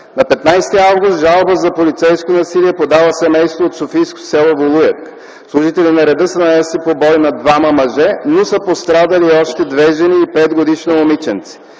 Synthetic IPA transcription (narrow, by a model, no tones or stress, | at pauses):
nɐpɛt̪najst̪iavɡʊst̪ʒalˠbəzɐpolit̪sɛjskonɐsiliɛpod̪avəsɛmɛjst̪voːt̪sofijsko̥sɛlˠovolˠujɛk | slˠuʒit̪ɛlinɐɾɛd̪ɤsənɐnɛslipobɔjnɐd̪vamɐmɐʒɛnosəpost̪ɾad̪ɐliɔʃt̪ɛd̪vɛʒɛniːpɛd̪ɡod̪iʃnoomit͡ʃɛnt̪si̥